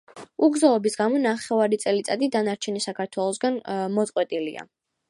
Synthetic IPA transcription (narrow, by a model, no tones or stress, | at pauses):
uɡzaɔbisɡamɔnaχɛvaɾit̪sʼɛlit̪sʼad̪id̪anaɾt͡ʃʰɛnisakʰaɾt̪ʰwɛlˠɔs̬ɡanmɔt̪sʼqʼwɛt̪ʼilḭa̰